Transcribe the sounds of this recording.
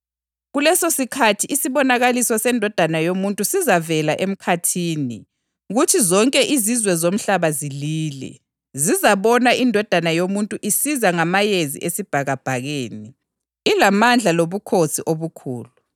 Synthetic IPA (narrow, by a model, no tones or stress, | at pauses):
ɣulɛsosikʰatʰiʔisiβɔnaɣalisɔsɛndʱɔd̥ʱanajomuntʼusizavɛlaʔem̩kʰatʰiːnḭ | ɣutʰizɔŋkʼɛʔizizwɛzom̩ɬaβaziliːlɛ̰ | zizaβɔnaʔindʱɔd̥ʱanajomuntʼuʔisizaŋamajezḭʔesib̥ʱaɣab̥ʱaɣeːniː | lamand͡ɮʱaloβukʰosiʔoβukʰṵːlu